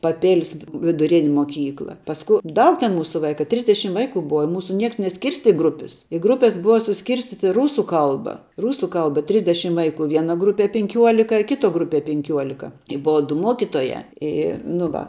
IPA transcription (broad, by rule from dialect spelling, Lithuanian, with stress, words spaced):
pɐˈpʲeːlʲɪs ʋʲɪdʊˈrʲɪnʲɪ moːˈkʲiːklˠɐ pɐsˈkʊ ˈdɐʊk tʲɛn ˈmuːsʊ ˈʋɐɪkɐ ˈtʲrʲɪzʲdʲɛʃʲɪm ˈʋɐɪkʊ ˈbʊʋɐ ɪ ˈmuːsʊ ˈnʲiɛks nʲɛˈsʲkʲɪrʲsʲtʲɪ ˈɡrʊpʲɪs ɪ ˈɡrʊpʲɛs ˈbʊʋɐ sʊˈsʲkʲɪrʲsʲtʲiːtʲɪ ˈruːsʊ ˈkɐlˠbɐ ˈruːsʊ ˈkɐlˠbɐ ˈtʲrʲɪzʲdʲɛʃʲɪm ˈʋɐɪˌkʊ ˈʋʲiɛnɐ ˈɡrʊpʲiɛ pʲɪŋʲˈkʲuɔlʲɪkɐ ɪ ˈkʲɪˌtuɔ ˈɡrʊˌpʲiɛ pʲɪŋʲˈkʲuɔlʲɪkɐ ɪ ˈbʊʋɐ dʊ ˈmuɔkʲɪtoːjæː ˈiː nʊ ˈʋɐ